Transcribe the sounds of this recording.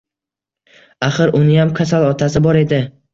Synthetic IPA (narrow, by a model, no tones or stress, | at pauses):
aχɨɾʔʊnɪjamkʰasalˠɒt̪ʰasɪbɒɾe̞d̪ɪ